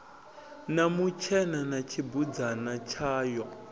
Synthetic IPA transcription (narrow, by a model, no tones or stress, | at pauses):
namut͡ʃʰɛnanat͡ʃʰibud͡zanat͡ʃʰaːjɔ